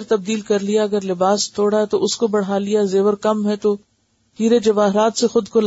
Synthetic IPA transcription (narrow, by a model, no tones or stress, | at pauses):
ɾt̪ɐb̚d̪iːlkɐɾlijaɐɡəɾlɪbaːst̪ʰoːɽaɛt̪oʔʊskobɐɽ̤ɦaːlijazeːʋəɾkɐmɦɛt̪o | hiːɾed͡ʒɐʋaːɦɾaːt̪sexʊd̪kol